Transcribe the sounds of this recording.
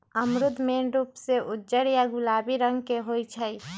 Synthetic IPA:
əmɾʊd̪ʱmeɾuːpseʔʊd͡ʒəɽjaɡʊlaːbiɾə̃ŋɡkeɦoːit͡ʃʰəi

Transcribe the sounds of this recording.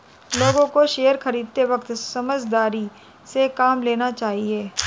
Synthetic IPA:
loːɡõkoʃeːəɾxɐɾiːd̪̚t̪eʋɐkt̪sɐməd͡ʒd̪aːɾi | sekaːmleːnat͡ʃaːɦieː

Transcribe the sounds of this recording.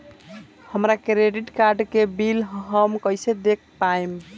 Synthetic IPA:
həmɾakɾeɖiʈkaɾɖkebilɦɦəmkəjsed̪ek̚ʰpajm

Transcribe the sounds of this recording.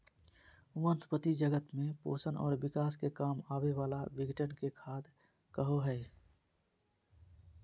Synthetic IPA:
ʊʋənt̪pət̪id͡ʒəɡət̪mẽpo̰ːsənɔ̰ːɾbɪkaːskekaːmaːweʋaːlabɪɡəʈənkekʰaːd̪ | kəɦoɦɛː

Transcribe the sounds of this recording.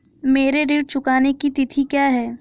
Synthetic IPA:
meːɾeɾɪʈ̚t͡ʃʊkaːnekit̪ɪt̪ʰikjaːɦɛː

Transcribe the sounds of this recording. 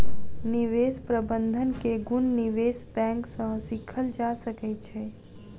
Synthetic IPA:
niʋeːspɾəbə̃nd̪ʱənkeɡʊnːiʋeːsbɛ̃ːŋksə̃sɪkʰəld͡ʒasəkɛt͡ʃʰe

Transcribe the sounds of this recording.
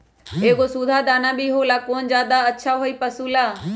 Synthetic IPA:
eːɡoːsuːd̪ʱaːd̪aːnãːbʱiːɦoːlaːkoːnd͡ʒaːd̪aːətːʃʰaːɦoːiːpəsuːlaː

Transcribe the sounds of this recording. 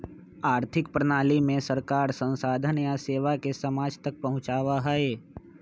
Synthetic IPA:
aːɾt̪ʰɪkpɾənaːlimẽsəɾkaːɾsə̃nsaːd̪ʱənjaseːʋakesɐmaːd͡ʒt̪ɐk̚pɐɦʊ̃t͡ʃaːʋaɦəeː

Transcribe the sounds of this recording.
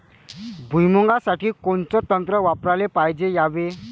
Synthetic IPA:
bʱujmuŋɡasaʈiːkoɳt͡sɔt̪ənt̪ɾəʋapɾalepajd͡zejaʋe

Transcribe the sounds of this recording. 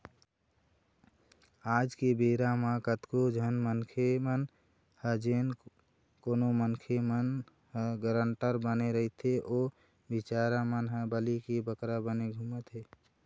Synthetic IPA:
ad͡ʒkebeɾamãkət̪kod͡ʒʱənmənkʰemən | həd͡ʒen | konomənkʰemən | ɦəɡəɾəɳʈəɾbəneɾəit̪eʔo | bit͡ʃaɾamənɦəbəlikebəkɾabəneɡʱumət̪ɦe

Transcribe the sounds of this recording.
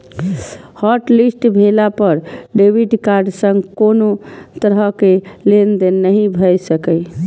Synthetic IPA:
hɔʈlisʈbʱelapəɾɖebʱiʈkaɾɖsə̃ŋɡkonot̪əɾɦəkelend̪enəɦĩbʱəjsəkə

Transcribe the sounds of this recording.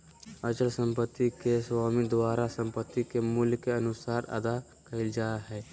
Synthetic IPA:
əd͡ʒəlsə̃mpət̪ːikeswaːmid̪waːɾasə̃mpət̪ːikemʊlkːeɐnʊsaːɾɐ̰d̪a | kəɪld͡ʒaːɦɛː

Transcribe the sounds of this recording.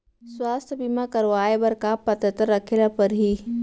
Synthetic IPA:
swaːst̪ʰəbimakəɾʋaːebɐɾkapɐt̪ət̪əɾːɐkʰelapɐɾɦiː

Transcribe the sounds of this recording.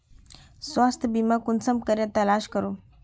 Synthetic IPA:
sʋast̪ʰəbimakunsəmkəɾjat̪əlaɕkəɾo

